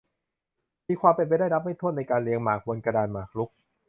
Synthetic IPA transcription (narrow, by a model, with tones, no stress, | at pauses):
miː˧kʰwaː˧mpe˧npa˧jdaː˥˩na˦˥p̚ma˥˩jt̪ʰu˥˩t̪na˧jkaː˧nli˧əŋmaː˨˩k̚wo˧nka˧daː˧nmaː˨˩kʰlu˦˥k̚